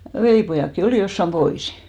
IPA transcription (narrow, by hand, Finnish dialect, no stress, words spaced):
ʋeliˑpojɑˑkːi oliˑ josːɑm b̥oisi̥